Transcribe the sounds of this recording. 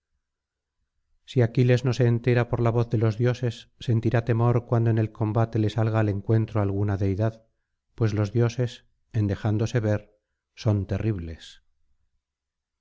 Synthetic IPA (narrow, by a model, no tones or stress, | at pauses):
siakile̞zno̞se̞ːnt̪e̞ɾapo̞ɾlaβ̞o̞θðe̞lo̞zðjo̞se̞sːe̞nt̪iɾat̪e̞mo̞ɾkwand̪oenelko̞mbat̪e̞le̞salɣaːle̞ŋkwe̞nt̪ɾoalɣ̞unaðe̞jðað | pwe̞zlo̞zðjo̞se̞s | e̞nd̪e̞xand̪o̞se̞β̞e̞ɾ | so̞nt̪e̞riβle̞s